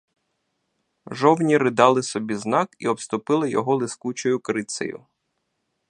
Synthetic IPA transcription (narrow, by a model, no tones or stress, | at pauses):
ʒɔwnʲiɾɪd̪ɑlˠɪsɔbʲiznɑkiɔpst̪ʊpɪlˠɪjɔɦɔlˠɪskut͡ʃɔjʊkɾɪt̪sɐ̰jʊ̰